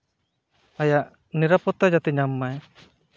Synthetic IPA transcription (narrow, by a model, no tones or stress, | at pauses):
ajaʔ | niɾapɔt̪ad͡ʒat̪ɛɲamːaj